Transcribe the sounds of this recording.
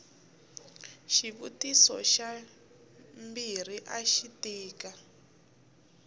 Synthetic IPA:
ʃiβutisɔ̰ʃa | mbir̤iʔaʃitiːka

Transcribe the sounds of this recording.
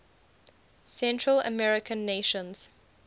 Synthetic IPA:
sɛ̃ntɹələ̰mɛɹɪkʰə̃nːeʃə̃nz̥

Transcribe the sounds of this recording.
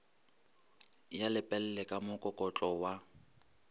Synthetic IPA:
jalɪpʼɛl̩lɛkʼamʊkʼɔkʼɔt͡ɬʼɔwa

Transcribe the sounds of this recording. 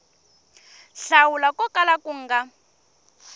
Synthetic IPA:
ɬawulakɔkʼalakuŋ̩ːɡa

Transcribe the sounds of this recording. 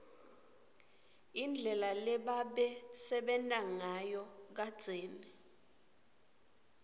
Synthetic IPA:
ind͡ɮʱɛlalɛɓaɓɛsɛɓɛntʼaŋajɔk̬ḁt͡sʼeːni

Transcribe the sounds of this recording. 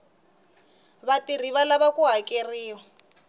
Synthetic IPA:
βatiriβalaβakuɦakeriːwa

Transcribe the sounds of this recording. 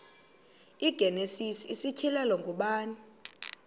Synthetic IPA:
iɡ̥ʱɛnesisiisitʰilalɔŋɡʱuɓaːni

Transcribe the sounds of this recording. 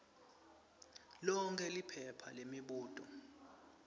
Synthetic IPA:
lɔŋkʰɛlipʰɛpʰa̰lemiɓuːtʼɔ̰

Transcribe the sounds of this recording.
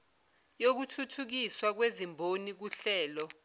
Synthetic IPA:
jok̬utʰutʰuk̬iswak̬wezimbʱonik̬uɬɛːlɔ

